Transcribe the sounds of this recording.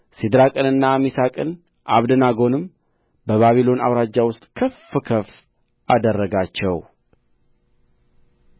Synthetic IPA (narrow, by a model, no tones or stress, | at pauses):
sid̪ɾakʼɨnɨnːamisakʼɨn | ʔa̰βd̪ənaɡo̞nɨm | bəβaβilo̞na̰wɾad͡ʒːawʊst̪ʼkʰəfɨkʰəf | ʔad̪ərːəɡat͡ʃːɛw